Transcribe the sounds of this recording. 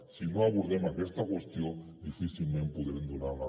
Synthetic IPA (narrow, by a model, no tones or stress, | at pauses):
sinoaβuɾðemakest̪akwe̞st̪jod̪ifiθilmẽmpuðeɾend̪unaɾla